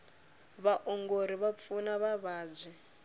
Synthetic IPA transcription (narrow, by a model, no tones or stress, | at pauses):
βaʔɔŋɡoɾiβap̪funaβaβaːd͡zʷi